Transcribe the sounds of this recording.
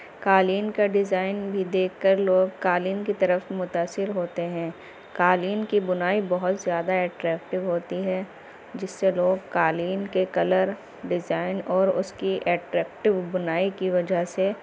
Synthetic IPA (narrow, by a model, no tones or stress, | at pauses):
kaːliːnkaɖɪzaːɪnbʱid̪eːkʰkəɾloːɡkaːliːnkit̪ɐɾəfmʊt̪aːsːɪɾɦoːt̪eɦɛ̃ː | kaːliːnkibʊnaːibɐɦʊt̪zjaːd̪aɛːʈɾɛːk̚ʈɪʋɦoːt̪iɦɛ̃ | d͡ʒɪsːeloːɡkaːliːnkekɐləɾ | ɖɪzaːɪnɔːɾʊskiʔɛːʈɾɛːk̚ʈɪʋbʊnaːikiʋɐd͡ʒaɦse